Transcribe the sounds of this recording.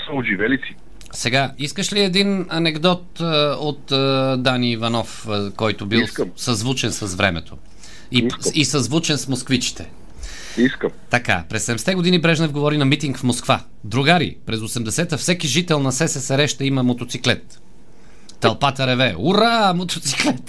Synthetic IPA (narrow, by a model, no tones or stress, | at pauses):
sɐoʒivɛlisi̥ | sɛɡaiskəʃliɛd̪inɐnɛɡd̪ɔt̪ot̪d̪aniːvɐnɔfkɔjt̪ʊbilˠssɐzvut͡ʃɛnsɐzvɾɛ̰mɛ̰t̪ʰo | iisɐzvut͡ʃɛnsmoskvit͡ʃi̥t̪ɛ | iskəmt̪ɐka̰pɾɛsːɛd̪ɛmɛst̪ɛɡod̪inibɾɛʒnɛvɡovɔɾinɐmit̪iŋkfmoskva̰ | d̪ɾuɡaɾḭpɾɛzosɛmd̪ɛsɛt̪əfsɛkiʒit̪ɛlˠnɐsɛsɛsɛɾɛʃt̪ɐimɐmot̪ot̪siklɛt̪ː | ɐlˠpat̪ɐɾɛvɛuɾamot̪ot̪siklɛt̪